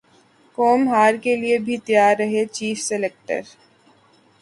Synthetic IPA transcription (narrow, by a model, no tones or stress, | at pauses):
kɔːmɦaːɾkeliebʱit̪jaːɾːɐɦet͡ʃiːfselek̚ʈə̰ɾ